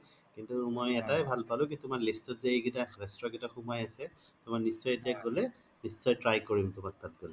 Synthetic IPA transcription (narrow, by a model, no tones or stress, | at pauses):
kintumojɛtajbʱalpalʊ̃kitʊmanlistɔt̚zeeɡitaɹɛstɹɔkitaxumajasɛ | tʊmaknisːɔjetijaɡolɛ | nisːɔjtɹajkoɹimtʊmak̚tat̚ɡolɛ